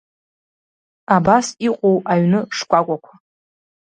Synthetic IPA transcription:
abasiqʷʼowaɥnɨʂkʷʼakʷʼakʷʰa

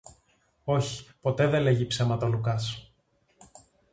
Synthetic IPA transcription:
o̞çi̥po̞t̪e̞ðe̞le̞ʝipsemɐt̪olukɐs

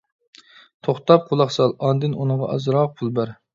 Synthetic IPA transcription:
t̪ʰoχt̪ɑp̚qʰolˠɑχsɑlˠɑnd̪ɪnunəʁɑ̰ʔɑ̰zɾɑq̚pʰulˠbæɾ

